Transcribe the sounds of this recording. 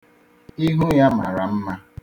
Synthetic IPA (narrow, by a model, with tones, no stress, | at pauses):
i˦ɦu˦ja˦ma˨ɾa˨m̩˦ma˦